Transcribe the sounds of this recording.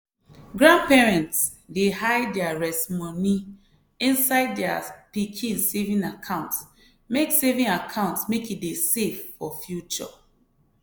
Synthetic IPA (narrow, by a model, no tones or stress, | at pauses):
ɡɹãn̚pɛɹɛ̃nts | dehaɪdɛaɹɛsmɔni | ĩnsaɪddɛapikʰĩnsevĩnakʰãʊ̃nts | meksevĩŋakʰãʊ̃ntsmekideseffɔfjut͡ʃɔ̰